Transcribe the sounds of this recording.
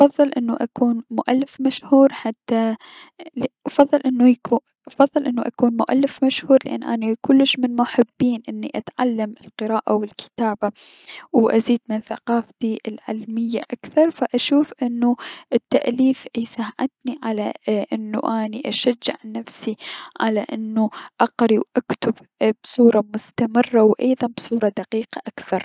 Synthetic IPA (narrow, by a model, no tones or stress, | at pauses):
ʔɑfɑðˤːɨlʔɪnːuʔakuːnmʊʔalːɪfmaʃhuːɾħat̪ːa | lʔɑfɑðˤːɨlʔɪnːujau | ʔɑfɑðˤːɨlʔɪnːuʔakuːnmʊʔa̰lːɪfmaʃhuːɾlɪʔanːʔaːnakʊlːɪʃmɪnmʊħɪbːiːnʔɪnːiʔat̪ʕalːamɪlqɨɾaːʔawɪlkʰɪ̥t̪aːba | wʔaziːd̪̚mɪnθaqɑːft̪iʔɪlʕɪ̰lmɪjːaʔakθɑɾˤfaʔaʃuːfʔɪnːuʔɪt̪ːaʔliːfjsahʕɪt̪niʕalaʔɪnːṵʔaːniʔaʃad͡ʒːɪ̰ʕnafsiʕa̰laʔɪnːuʔɑqɾiwʔakt̪ʊb | bsˤuːɾˤɑmʊst̪amɪrˤːawʔɑjðˤɑnbsˤuːɾˤɑd̪aqiːqaʔakθɑɾˤ